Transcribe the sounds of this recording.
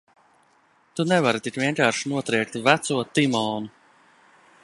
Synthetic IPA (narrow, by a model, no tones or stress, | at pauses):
t̪unɛvaɾt̪ikvʲiɛŋkaːɾʃinuɔt̪ɾɛjk̚t̪væt̪suɔt̪imɔːnu